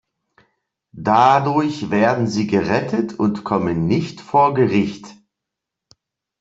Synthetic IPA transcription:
d̥adʊɐçv̥eːɐdn̩ziːɡəʁɛtʰətʰʊntkʰɔmənːɪçtfoːɐɡəʁɪçt

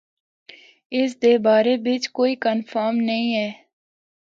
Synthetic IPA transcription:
ɪs̬d̪eːbaːɾebɪt͡ʃkoːikənfʰəːɾmnəɦĩɦɛː

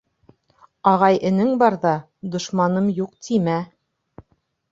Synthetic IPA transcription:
ɑʁɑjɘ̆nɘŋbɑɾðɑ | d̪ŏʃmɑnɤmjuqt̪ʰimæ

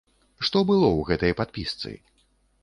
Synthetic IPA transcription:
ʂt̪ɔbɨlˠɔwɣɛt̪ɐjpat̪̚pʲist̪sɨ̰

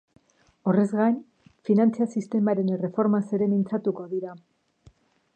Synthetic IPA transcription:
o̞rezɣajn | finant͡siasist̪e̞maɾe̞nere̞fo̞ɾmase̞ɾe̞mint͡sat̪uko̞ðiɾa

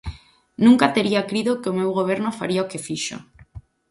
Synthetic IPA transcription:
nũŋkat̪eɾiakɾiðokeomewɣoβ̞eɾnofaɾiaokefiʃo̰

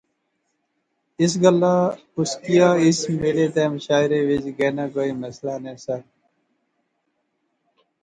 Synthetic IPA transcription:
ɪs̬ɡəlːaː | ʊskijaːɪsmeːleːt̪eːməʃaːɪɾeːʋɪd͡ʒɡeːnãːkoːiːməslaːnẽːsə

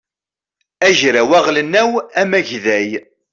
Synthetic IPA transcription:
æʒɾæwæʁlənːæwæmæʝðæj

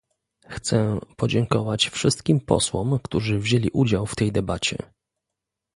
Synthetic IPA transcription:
xt̪sɛpɔd͡ʑɛŋkɔvat͡ɕfʂɘst̪̚kʲimpɔ̰swɔmkt̪uʐɘvʑelʲiʔud͡ʑawft̪ɛjd̪ɛbat͡ɕɛ̰

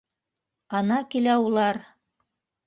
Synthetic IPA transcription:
ɑnɑkilæulˠɑɾ

